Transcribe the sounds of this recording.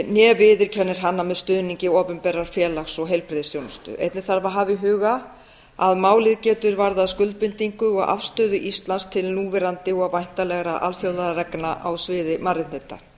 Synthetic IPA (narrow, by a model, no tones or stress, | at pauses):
njɛːvɪðɪɾ̥cʰɛnːɪɾ̥ɦanːamɛðst̪ʏːðniɲcɪɔːpʏmpɛːɾaɾ̥fjɛːlaxsɔɣɦejlpɾɪðɪsjownʏst̪ʏ̰ʔḛjt̪nɪ̥θaɾvaɦaːvɪɦʏːɣa | aðmaːwlɪðcɛːt̪ʏɾvaɾðaðskʏlt̪̚pʏnt̪iŋkʏɔɣa̰fst̪œːðʏʔist̪lanst̪ʰɪlnuːvɛɾant̪ɪɔɣavajn̥t̪alɛɣɾaʔa̰lθjowlaðarɛknaʔa̰wsvɪːðɪmaɾɪt̪nhejt̪ːa̰